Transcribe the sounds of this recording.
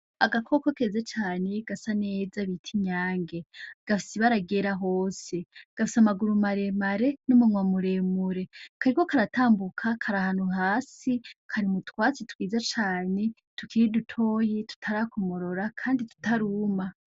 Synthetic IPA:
aɡakʰo̞kokezet͡ʃaːne̞ɡasane̞ːzaβitʰiɲaːŋɡe̞ɡ̥afi̥siβaɾaɡe̞ːɾaɦoːse̞ɡ̥afisamaɡuɾumaɾe̞maɾe̞numuŋwamuɾe̞ːmuɾe̞kaɾikokaɾatʰaːmbukʰakʰaɾahaːnhuɦaːsikʰaɾimutwaːt͡setwiːzat͡ʃaːne̞ | tukiɾidutʰo̞ːjitu̥tʰaɾaːkomo̞ɾo̞ɾakʰaːnditu̥taɾuma

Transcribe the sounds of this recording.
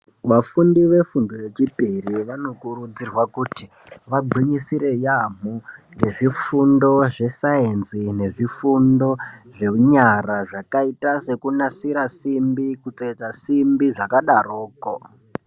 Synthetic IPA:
ʋafundiʋe̞fundoje̞t͡ʃipiriʋano̞kurud͡zirwakuti | ʋaɡ͡bʱwiɲisiɾe̞jam̤u | je̞ʐifundo̞ʐe̞saenzine̞ʐifundo̞ʐe̞ɲaraʐakaitase̞kunasiɾasimbikut͡set͡sasimbiʐakaɗaroːko

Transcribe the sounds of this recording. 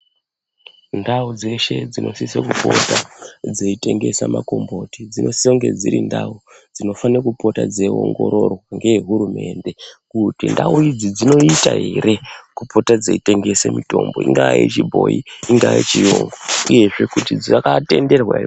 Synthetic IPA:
ndaud͡ze̞ʃe̞d͡zino̞̰sisakupo̞̰tad͡zeite̞ŋɡe̞samako̞mbo̞tid͡zino̞sioŋɡe̞d͡ziɾḭndau | d͡zino̞fanirakupo̞tad͡zeo̰ŋɡo̞̰ɾo̞rwwaŋɡe̞jeɦuɾume̞ːnde̞kutindauid͡zid͡zino̞itaɦeɾʔe̞kupʰo̞tad͡zeite̞ŋɡe̞semito̞̰mbo̞iŋɡajet͡ʃibʱo̞iiŋɡaːjet͡ʃijoŋɡouje̞ʐe̞kutid͡ziakate̞nde̞rwai

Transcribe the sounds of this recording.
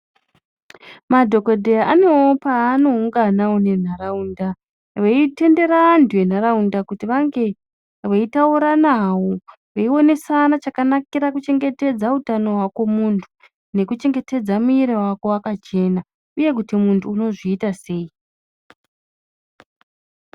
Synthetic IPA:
madʱo̞ko̞dʱejaʔane̞opano̞uŋɡanawone̞n̤araunda | ʋeite̞nde̞ɾanduen̤aɾaundakutiʋaŋɡe̞ | ʋeitauɾanawo | ʋeiwo̞ne̞sanat͡ʃakanakiɾakut͡ʃe̞ŋɡe̞te̞d͡zautano̞ɦwakwo̞muntʰu | ne̞kut͡ʃe̞ŋɡe̞te̞d͡zamuiɾewako̞wakat͡ʃe̞na | uje̞k̬utimuntʰuːno̞ʐiːtase̞i

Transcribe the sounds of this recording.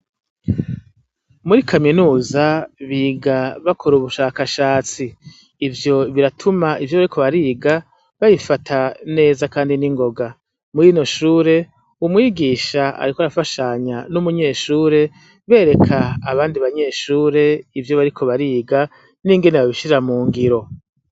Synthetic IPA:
muɾikʰaminuːzaβiɡaβakʰoɾuβuʃaːkaʃaːt͡siː | vjo̞βiɾatʰumaivjoβaɾikʰo̞βaɾiːɡa | βajifatʰane̞ːzakaːndiniŋɡo̞ɡa | muɾino̞ʃuːɾe̞ | umŋiːɡiːʃaa̰ɾikoaɾafaʃaɲanumuɲe̞ːʃuːɾe̞ | βe̞ːɾe̞kʰaːβaːndiβaɲe̞ːʃuːɾe̞ivjo̞βaɾikʰo̞βaɾiːɡa | niːŋɡe̞neβaβiʃiɾamuːŋɡiɾo̞

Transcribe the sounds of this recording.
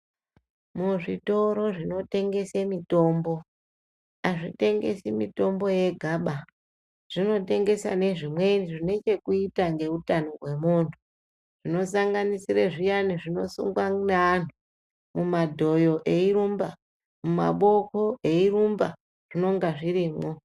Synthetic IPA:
muʐito̞ɾo̞ʐino̞te̞ŋɡe̞semito̞ːmbo̞ | aʐite̞ŋɡe̞̰simito̞mbo̞je̞ɡʱaɓa | ʐ̥ino̞te̞ŋɡe̞sa̰ne̞ʐimwe̞niʐine̞t͡ʃe̞kuitaŋɡe̞utanoɦwe̞muntʰu̥ | ʐ̥ino̞saŋɡanisiɾeʐijaniʐino̞sṵŋɡwanaan̤u | mumadʱo̞jo̞ʔe̞iɾumba | muma̰ɓo̞koe̞iɾumba̰ | ʐ̥ino̞ŋɡaʐiɾiːmo

